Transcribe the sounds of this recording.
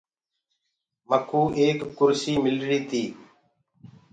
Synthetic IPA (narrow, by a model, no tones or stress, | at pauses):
məkʰuːʔeːkːʊɾsiːmɪlɾiːt̪ʰiː